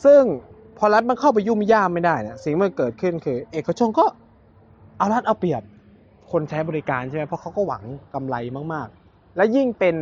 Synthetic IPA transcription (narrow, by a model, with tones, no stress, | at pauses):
sɯ˥˩ŋ | pʰɔː˧la˦˥t̪̚ma˧nkʰa˥˩wp̬a˧jːu˥˩m˧jaː˥˩mːa˥˩jdaː˥˩jni˦˥si˨˩ŋma˧nkɤː˨˩t̪̚kʰɯ˥˩nkʰɯː˧ʔeː˨˩kːa˧t͡ɕʰo˧nkɔː˥˩ | ʔa˧wla˦˥t̪̚ʔa˧wpi˨˩əp̚ | kʰo˧nt͡ɕʰa˦˥jbɔː˧i˦˥kaː˧nt͡ɕʰa˥˩ma˦˥pʰɔ˦˥kʰa˦˥wkɔː˥˩wa̰˩˦ŋka˧mla˧jma˥˩k̚maː˥˩k̚ | lɛː˦˥wji˥˩ŋpe˧n